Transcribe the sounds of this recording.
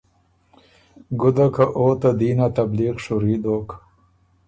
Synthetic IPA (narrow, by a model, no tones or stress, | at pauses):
ɡʊd̪akaʔoːt̪ad̪inat̪abliqʂuɾid̪ok